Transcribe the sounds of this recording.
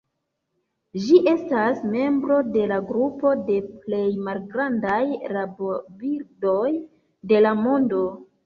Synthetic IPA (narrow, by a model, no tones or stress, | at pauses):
ʒiʔe̞stasme̞mbɾo̞de̞laɡɾupo̞de̞ple̞jmalɡɾandajɾabobiɾdo̞j | de̞lamo̞ndo̞